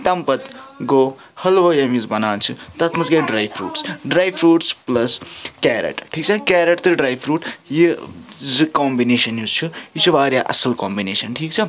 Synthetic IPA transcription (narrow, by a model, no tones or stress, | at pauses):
t̪ɐmpɐt̪ɡo | hɐlʋɐjɐmizbɐnaːnt͡sʰut̪ɐt̪ʰmɐzɡajɖɾajbʰɾṵːʈsɖɾajbʰɾuːʈsplɐskɛɾḛʈʈʰik̚t͡sʰɐkɛːɾeʈt̪ɨɖɾajpʰɾuːʈjid͡zɨkɔmbineːʃɐnjuzt͡ʃʰujit͡ʃʰubaːɾjaʔɐ̰sɐlkɔmbineːʃɐnʈʰikt͡sʰɐ